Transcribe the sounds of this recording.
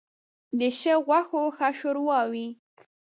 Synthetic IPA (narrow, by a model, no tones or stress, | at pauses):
d̪əʃəɣwaxoxaʃoɾwɑwi